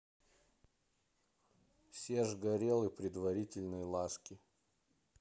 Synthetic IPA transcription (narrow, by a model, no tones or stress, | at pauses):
fsʲeʐɡɐɾʲelˠɨpɾʲɪd̪vɐɾʲitʲɪlʲnɨjlˠaskʲɪ